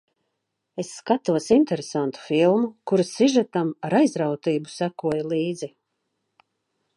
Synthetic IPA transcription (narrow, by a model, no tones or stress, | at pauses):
esːkat̪uɔsint̪ɛɾesant̪u̥filˠmukuɾasiʒat̪amaɾajzɾawt̪iːbusækuɔjalˠiːd̪zi